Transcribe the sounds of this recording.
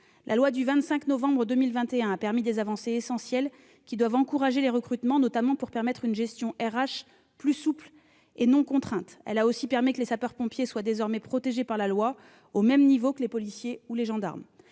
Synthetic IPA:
lʔa̰lwad̪yvɛ̃t̪sɛ̃knɔvɑ̃bʁəd̪ømilvɛ̃t̪eɛ̃apɛʁmid̪ezavɑ̃seːsɑ̃sjɛl | kʲid̪wavɑ̃kuʁaʒeleʁəkχyt̪mɑ̃nɔt̪amɑ̃puʁpɛʁmɛt̪χynʒɛst̪jɔ̃ʔɛʁaʃ | plysupl | enɔ̃kɔ̃t̪χɛ̃t̪ɛ̰laosipɛʁmikəlesapœʁpɔ̃pjeswad̪ezɔʁmɛpχɔt̪eʒepaʁlalwa | omɛmnivokəlepɔlisjeuleʒɑ̃d̪a̰ʁm

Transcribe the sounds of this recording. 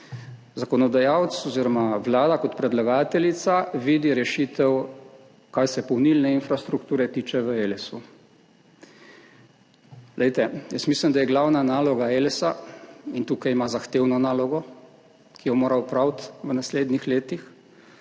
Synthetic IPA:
zakɔnɔd̪ajawt̪sɔziɾɔmaʋlaːd̪akɔt̪pɾɛd̪laɡaːt̪ɛlit̪saʋiːd̪iɾɛʃit̪ɛw | kajsɛpɔwnilnɛinfɾast̪ɾukt̪uːɾɛt̪iːt͡ʃɛʋəelɛsu | lɛjt̪ɛjəsmiːslimd̪ajɛɡlawnanaːlɔɡaelɛsaint̪uːkajmazaxt̪eːwnɔnaːlɔɡɔ | kʰijɔmoːɾawpɾawt̪ʋənasleːd̪nixleːt̪ix

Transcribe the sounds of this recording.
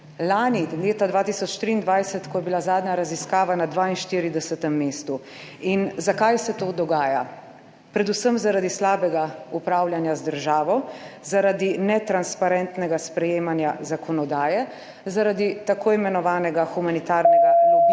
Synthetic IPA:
laːnileːt̪ad̪ʋaːt̪isɔt͡ʃt̪ɾiːnd̪ʋajsɛt̪kɔjɛbilazaːd̪ɲaɾaziskaːʋanad̪ʋainʃt̪iːɾid̪ɛsɛt̪ɛmːeːst̪u | inzakajsɛt̪oːd̪ɔɡaːja | pɾɛd̪usəmzaɾad̪islaːbɛɡaupɾaːwljanjazd̪əɾʒaːʋɔzaɾad̪inɛt̪ɾanspaɾɛnt̪nɛɡaspɾɛjeːmanjazakʰɔnɔd̪aːjɛ | zaɾad̪it̪akoːimɛnɔʋaːnɛɡaxumanit̪aːɾnɛɡa

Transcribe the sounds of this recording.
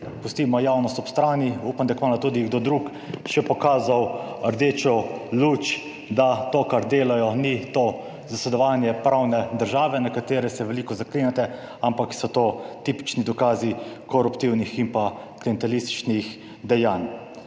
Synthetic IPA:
pust̪imɔjaːwnɔst̪ɔpst̪ɾaːniuːpand̪akmanat̪uːd̪iɡd̪oːd̪ɾuk | ʃɛpɔkaːzaw | əɾd̪eːt͡ʃɔlut͡ʃ | d̪at̪oːkaɾd̪eːlajɔnit̪o | zasɛd̪ɔʋaːnjɛpɾaːwnɛd̪əɾʒaːʋɛnakat̪eːɾɛsɛʋɛliːkɔzakleːnjat̪ɛ | ampaksɔt̪oːt̪iːpi̥t͡ʃnid̪ɔkaːzikɔɾupt̪iwniximpa | kliɛnt̪alist̪i̥t͡ʃnix | d̪ɛjaːn

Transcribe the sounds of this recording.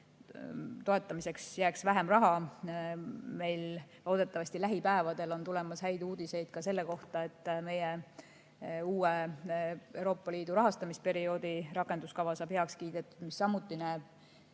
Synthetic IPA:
t̪o̞et̪ːˑɑmise̞ksjæːksvæɦe̞mrɑɦɑ | me̞jllo̞ːd̪̥e̞t̪ːˑɑvɑsʲt̪ilæɦipæevɑd̪̥e̞lo̞nt̪ulɛ̞mɑshæjd̪uːd̪̥ise̞jd̪̥̚kɑse̞lːe̞ko̞ht̪ɑe̞t̪ˑːme̞je | uːe | e̞wɾo̞ːpːˑɑliːd̪̥uɾɑɦɑst̪ɑmispe̞ɾio̞ːd̪iɾɑkːˑend̪uskɑvɑsɑːb̥he̞ɑkskiːd̪̥et̪ːˑud̪̥misːɑmːut̪ːˑinæːb̥

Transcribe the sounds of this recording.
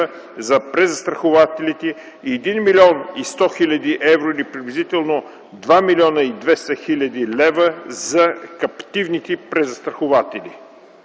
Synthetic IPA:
zɐpɾɛzɐst̪ɾɐxovat̪ɛlit̪ɛ | iɛd̪inmilʲɔnist̪ɔxilʲɐd̪iʔɛvɾoilipɾɛd̪blʲizit̪ɛlˠno | d̪vamilʲiɔnəid̪vɛst̪əxilʲɐd̪ilɛvəzɐkɐpt̪ivnit̪ɛpɾɛzɐst̪ɾɐxovat̪ɛli

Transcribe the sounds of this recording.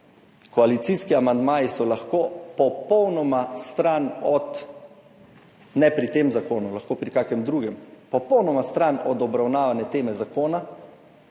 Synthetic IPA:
kɔalit̪siːskiamand̪maːjisɔlaxkoːpɔpɔwnɔmast̪ɾanɔt̪ | nɛpɾit̪eːmzakoːnulaxkoːpɾikakɛmd̪ɾuːɡɛmpɔpɔwnɔmast̪ɾanɔd̪ɔbɾawnaːʋanɛt̪eːmɛzakoːna

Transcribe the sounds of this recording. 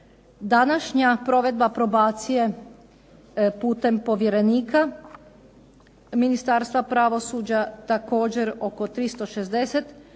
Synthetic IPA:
d̪anaʃɲapɾo̞ʋe̞d̪bapɾo̞baːt̪sije̞ | puːt̪e̞mpo̞ʋje̞ɾe̞niːkʰa | minist̪aːɾst̪ʋapɾaʋo̞suːd͡ʑat̪ako̞ːd͡ʑe̞ɾo̞ko̞t̪ɾist̪o̞ʃezd̪eset̪

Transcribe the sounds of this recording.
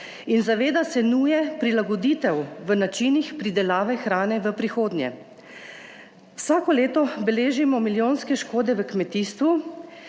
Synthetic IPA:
inzaʋeːd̪asɛnuːjɛpɾilaɡɔd̪iːt̪ɛwʋənat͡ʃinixpɾid̪ɛlaːʋɛxɾaːnɛʋəpɾixoːd̪njɛ̰ | wsaːkɔleːt̪ɔbɛleːʒimɔmiljoːnskɛʃkoːd̪ɛʋəkmɛt̪iːst̪ʋu

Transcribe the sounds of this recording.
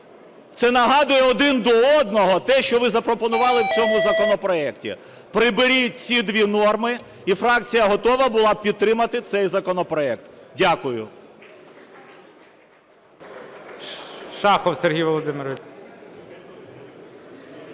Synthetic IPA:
t̪sɛnɐɦɑd̪ʊjɛɔd̪ɪnd̪ɔɔd̪̚nɔɦɔt̪ɛʃt͡ʃɔʋɪzɐpɾɔpɔnʊʋɑlˠɪwt͡sʲɔmʊzɐkɔnɔpɾɔɛktʲḭ | pɾɪbɪɾʲit͡sʲid̪ʋʲinɔrmɪ | ifɾɑk̚t͡sʲijɐɦɔt̪ɔʋɐbʊlˠɑpʲid̪̚t̪ɾɪmɐt̪ɪt̪sɛjzɐkɔnɔpɾɔɛk̚t̪dʲakʊjʊ̰ | ʃɑxɔwserɦʲijʋɔlˠɔd̪ɪmɪɾʋɪ

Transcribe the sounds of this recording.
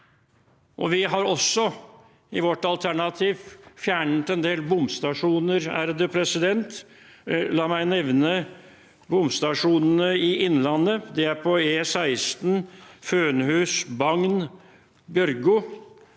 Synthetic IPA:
ʔɔʋɪɦɑɾɔsːɔ | ɪʋɔʈːɑlt̪ʰæɳɑt̪ʰiːʋfjæːɳət̪ɛnd̪eːlbʊmst̪ɑʂuːnəɾæ̰ːɾəd̪əpʰɾɛsɪd̪ɛnt̪ | lɑːmæɪnɛʋnə | bʊmst̪ɑʂuːnənəɪɪnːlɑnːəd̪ɛæɾpʰɔeːsæɪst̪nføːnɦʉːsbɑŋn | bjœɾɡʊ

